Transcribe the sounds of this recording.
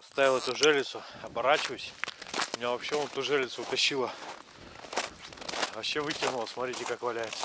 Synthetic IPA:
ɐst̪avʲɪlˠɛt̪ʊʐɛlʲɪt̪sʊɐbɐɾat͡ɕɪvəsʲmʲɪnʲavɐpɕːeonɛt̪ʊʐɛlʲɪt̪sʊːt̪ɐɕːilˠə | vɐɕːe̞vɨtʲɪnʊlˠəsmɐt̪ɾʲitʲɪkakvɐlʲæjɪt̪sə̥

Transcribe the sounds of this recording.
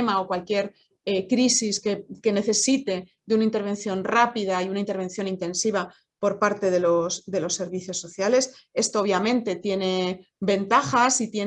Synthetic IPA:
maokwalkje̞ɾ | ekɾisiskeke̞ne̞θe̞sit̪e̞d̪eunaint̪eɾβ̞ẽ̞nθjo̞nrapið̞aiunaint̪e̞ɾβ̞e̞nθjo̞nint̪e̞nsiβ̞a | po̞ɾpaɾt̪e̞ðe̞losd̪e̞lo̞sːe̞ɾβiθjo̞sːo̞θjale̞s | e̞st̪ooβjamẽ̞nt̪e̞t̪je̞ne̞ | be̞nt̪axasit̪je

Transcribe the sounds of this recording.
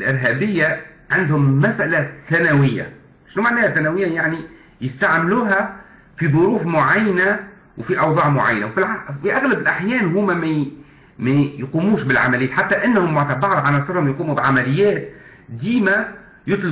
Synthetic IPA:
lʔɪɾɦæːbɪjːa | ʕɪnd̪hʊmːæsʔælaθænæwɪjːa̰ | ʃnumaʕnæːhæθænæwɪjːajaʕni | jɪst̪aʕmluːɦæ | fiðˤʊɾuːfmʊʕajːna | wfiʔɑwðˤɑːʕmʊʕa̰jːnawfilfiʔaɣlabɪlʔaħjɛːnɦuːmæmæ | mæjquːmuːʃbɪlʕa̰mælɪjːt̪ħat̪ːæʔɪnːhʊmːaʕt̪abɑɾˤʕanɑsˤɨɾhʊmjquːmubɪʕamælɪjːæːt̪ | d̪iːmæ | jʊt̪ˤl

